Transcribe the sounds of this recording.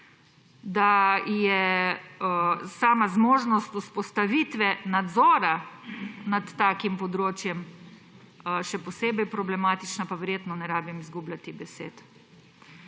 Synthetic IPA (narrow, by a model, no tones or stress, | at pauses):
d̪ajɛ | saːmazmoːʒnɔst̪uspɔst̪aʋit̪ʋɛnad̪zɔːɾa | nat̪ːaːkimpɔd̪ɾoːt͡ʃjɛm | ʃɛpɔseːbɛjpɾɔblɛmaːt̪it͡ʃnapaʋɛɾjeːt̪nɔnɛɾaːbimizɡublʲat̪ibɛsḛːt̪